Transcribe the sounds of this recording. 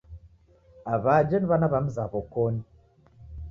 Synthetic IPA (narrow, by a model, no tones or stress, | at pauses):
aβad͡ʒeniβanaβamuzaβokoni